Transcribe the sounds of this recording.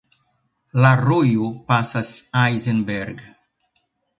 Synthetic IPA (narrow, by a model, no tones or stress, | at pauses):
laɾojupasasajzenbeɾɡ